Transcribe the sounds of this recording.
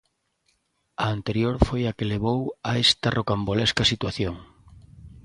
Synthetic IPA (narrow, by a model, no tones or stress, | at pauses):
ɐːnt̪eɾjoɾfojakeleβ̞owaest̪ɐrʔokambolɛskɐsit̪waθjoŋ